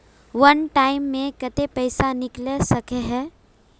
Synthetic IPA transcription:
ʋɐnʈaːɪmːẽkɐt̪epɐɪsanɪklesɐkeɦɛː

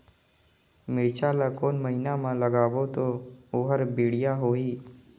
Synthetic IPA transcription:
mɪɾt͡ʃaːlakoːnməɦinamãləɡaːʋot̪ooːɦəɾbiːɽɪjaɦoːɦiː

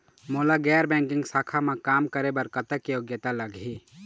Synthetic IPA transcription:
molaɡɛːɾbɛ̃ŋkɪ̃ŋɡsaːkʰamẽkaːmkəɾebəɾkət̪əkjoɡjət̪aləɡʱi

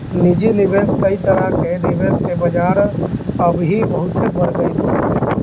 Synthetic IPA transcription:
nid͡ʒinɪbeːskəit̪əɾəɦkenɪbeːskebəd͡ʒaːɾəbɦibəɦʊt̪ebəɾɡəiɦo

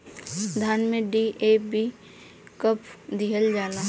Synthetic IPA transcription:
d̪ʱaːnmẽɖiʔeːbi | kəpʰd̪iɦəld͡ʒaːnaɦ

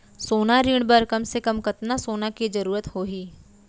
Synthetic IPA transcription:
soːnaɾiːɽ̃bɐɾkɐmsekɐmkɐt̪nasoːnakizɐɾuːɾət̪hoːɦiː

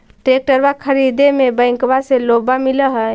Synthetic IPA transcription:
t̪ek̚ʈəɾbakʰəɾid̪emebə̃jŋkbaselobamiləɦə

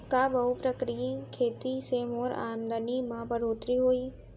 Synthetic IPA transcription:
kabɐɦupɾəkɾijikʰeːt̪isemoːɾa̰ːmd̪ənimãbɐɾoːt̪ɾiɦoːiː

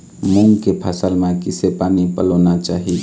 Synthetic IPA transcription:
mũŋɡkepʰasəlmẽkɪsepaːnipəloːnat͡ʃaːɦi

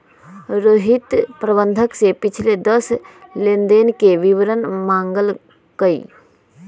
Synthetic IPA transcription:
ɾoːɦɪt̪pɾəbə̃nd̪ʱəksepɪt͡ʃʰled̪əslend̪eːnkeʋɪʋɾənmãːŋɡəl | kəḭ

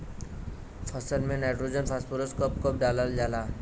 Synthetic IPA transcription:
pʰəsəlmẽnɛːʈɾod͡ʒənpʰaːspuɾəskəpkəp̚ɖaːləld͡ʒaːlaː

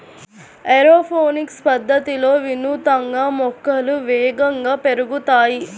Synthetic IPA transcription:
eɾoːpʰoːnikspɐd̪ʱːɐt̪ilo̞ːʋinut̪ɐŋɡaːmɔkːɐluʋɛːɡɐŋɡaːpeɾuɡut̪aːji

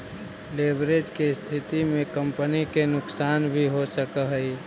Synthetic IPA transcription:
leːbɾed͡ʒkest̪ʰɪt̪imẽkə̃mpənikenʊksaːnbʱiɦosəkəɦəi

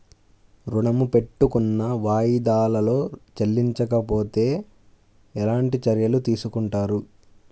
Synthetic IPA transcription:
ɾuɳɐmupe̞ʈːukunːɐʋaːjid̪aːlɐlo̞ːt͡ʃɐlːiɲt͡ʃɐkɐpo̞ːt̪e̞ː | ɛlaːɳʈit͡ʃɐɾjɐlut̪iːsukuɳʈaːɾu

